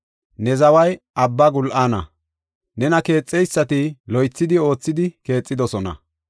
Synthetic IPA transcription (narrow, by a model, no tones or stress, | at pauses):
nɛzɐwɐjʔɐbːɐɡʊlʔaːnɐ̰ | nɛnɐke̞ːt͡sʼːɛjsːɐt̪ɪlɔjt͡sːɪd̪ɪo̞ːt͡sːɪd̪ɪke̞ːt͡sʼːɪd̪ɔsɔnɐ̰